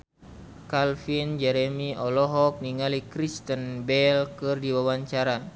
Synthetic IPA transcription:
kalfind͡ʒɛɾɛmiɔlɔɦɔk̚niŋalikɾist̪ənbɛlkɨrdiwawaɲt͡ʃaɾa

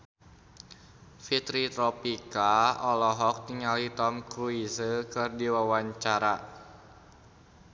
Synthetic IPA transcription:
fit̪ɾit̪ɾɔpikaɔlɔɦɔk̚t̪iŋalit̪ɔmkɾuisəkɨrdiwawaɲt͡ʃaɾa

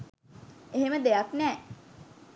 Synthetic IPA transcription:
eɦeməd̪ejaknɛː

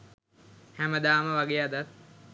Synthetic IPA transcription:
hæməd̪aːməʋaɡeːad̪at̪̚

